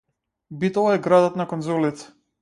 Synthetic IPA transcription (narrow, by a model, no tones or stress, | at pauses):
bit̪ɔlˠaɛɡɾad̪ɔt̪nakɔnzɔlit̪ɛ̥